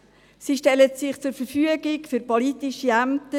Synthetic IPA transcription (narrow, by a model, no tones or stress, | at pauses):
siʃtɛlətsɪχt͡sʊɾfəɾfyəɡɪkfyɾpɔlitɪʃiæmtə